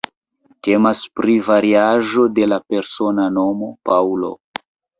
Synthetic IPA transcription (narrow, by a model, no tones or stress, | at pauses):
te̞maspɾivaɾiaʒo̞de̞lape̞ɾso̞nano̞mo̞pawlo̞̰